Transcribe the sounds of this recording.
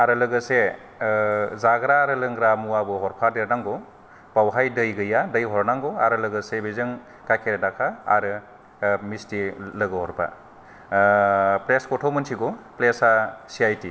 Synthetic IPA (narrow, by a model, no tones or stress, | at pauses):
aɾɯlɯɡɯse | zaɡɾaɾɯlɯŋɡɾamuwabɯɦɔɾpʰadeɾnaŋɡo | pawɦajdɯjɡɯjadɐjɦɔɾnaŋɡɔaɾɯlɯɡɯsebizɯŋ | kakʰeɾedakʰaa̰ɾɯ | mistilɯɡɯɦɔɾpʰa̰ | pɾeskɔtʰomɯnsʰiɡuplesasiajti